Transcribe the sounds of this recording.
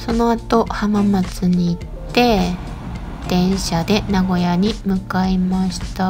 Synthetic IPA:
so̞no̞at̪o̞hamamat͡sɨɲ̟iːtt̪ːe̞ | d̪̥ẽ̞ɰ̃ɕad̪e̞naɡo̞jaɲ̟imɯ̟kaimaɕi̥t̪a

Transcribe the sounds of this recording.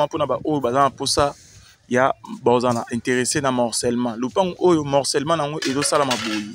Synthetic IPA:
ãponabaʔojobazanaposa | jabaozanaʔɛ̃teʁesenamɔʁsɛlmãlopaŋɡojomɔʁsɛlmãnŋɡoʔezosalamaboji

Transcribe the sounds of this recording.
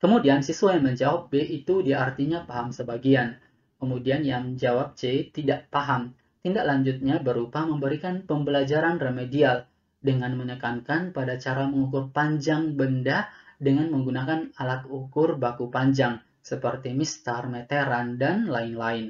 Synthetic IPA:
kəmudiansisuajaŋməɲd͡ʒawap̚beʔit̪udiaart̪iɲapaɦamsəbaɡian | kəmudianjaŋd͡ʒawap̚t͡ʃet̪idaʔpaɦam | t̪indaʔlaɲd͡ʒʊt̪̚ɲabəɾupaməmbəɾikanpəmbəlad͡ʒaɾanrəmedial | dəŋanmənəkankanpadat͡ʃaɾaməŋukʊrpaɲd͡ʒaŋbəndadəŋanməŋɡunakanalat̪̚ukʊrbakupaɲd͡ʒaŋ | səpərt̪imist̪armet̪eɾandanlaɪnlaɪn

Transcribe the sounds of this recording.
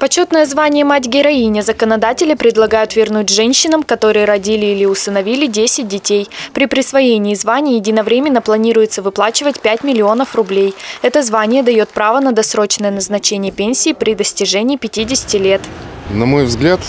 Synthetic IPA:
pɐt͡ɕut̪nəjəzvanʲɪjəmatʲɡʲɪɾɐinʲɪzəkənɐd̪atʲɪlʲɪpɾʲɪd̪lˠɐɡajʊt̪vʲɪrnutʲʐɛnʲɕːɪnəmkɐt̪o̞ɾɨjəɾɐdʲilʲɪilʲɪʊst̪ənɐvʲilʲɪdʲesʲɪt̚ʲdʲɪtʲejpɾʲɪpɾʲɪsvɐjenʲɪːzvanʲɪːjɪdʲɪnɐvɾʲemʲɪnːəplˠɐnʲiɾʊjɪt̪səvɨplˠat͡ɕɪvətʲpʲætʲmʲɪlʲɪo̞nəfrʊblʲejɛt̪əzvanʲɪjəd̪ɐjo̞t̪̚pɾavənəd̪ɐsɾo̞t͡ɕnəjənəznɐt͡ɕenʲɪjəpʲenʲsʲiːpɾʲɪd̪əsʲtʲɪʐɛnʲɪːpʲɪtʲidʲɪsʲɪ̥tʲɪlʲe̞t̪nɐmo̞jvzɡlʲat̪

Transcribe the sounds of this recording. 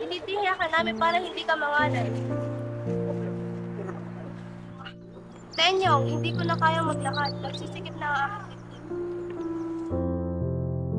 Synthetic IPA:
ʔɪliːd̪ɪhaːkɐnaːmɪnpaːɾɐŋhɪnd̪iːkɐmɐŋaːnɐn | sɛɲoŋhɪnd̪iːkonɐkaːjɐmɐɡ̚lɐɦat̪̚mɐɡ̚siːsɪkɪt̪̚nɐŋaːkɪkɪnd̪it̪

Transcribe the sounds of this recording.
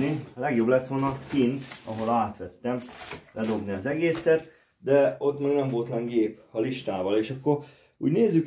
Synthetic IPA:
nilɛɡjo̞blɛt̪ʋolnɒkint̪ɒ̰ɦo̞laːt̪ʋɛt̪ːɛmlɛd̪o̞ɡniɒzɛɡeːsɛt̪ | d̪ɛo̞t̪maːɡnɛmvo̞lt̪nɛŋɡeːpɒliʃt̪aːvɒleːʃɒkːo̞ɾ | ṵːɟneːzːyk

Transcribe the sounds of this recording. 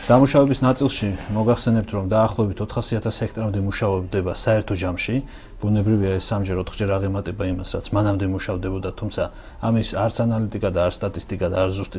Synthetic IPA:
d̪̥amuʃavɛbisnat̪sʼilˠʃimɔɡaχsɛnɛp̚t̪ʰɾɔmd̪aːχlˠɔvɛbit̪ʰɔt̪ʰχasiat̪ʰashɛkʰt̪ʼɾamd̪ɛmuʃaɔbd̪ɛbasaɛɾt̪ʰɔd͡ʒamʃi | b̥unɛbɾiviaɛsːamd͡ʒɛɾɔt̪χd͡ʒɛɾaʁɛmat̪ʼɛbaimasɾa̰t̪sʰmanamd̪ɛmuʃavd̪ɛbɔd̪at̪ʰumt̪sʰa | amisaɾt̪sʰanalit̪ʼikʼad̪aːɾt̪st̪ʼat̪ʼist̪ʼikʼad̪aːɾt̪ʰzust̪ʼi

